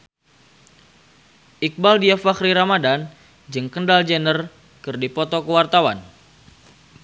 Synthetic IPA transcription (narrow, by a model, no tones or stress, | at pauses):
ʔik̚baldiafakɾiɾamadan | d͡ʒɨŋkəndald͡ʒənər | kɨrdipɔt̪ɔkəwart̪awan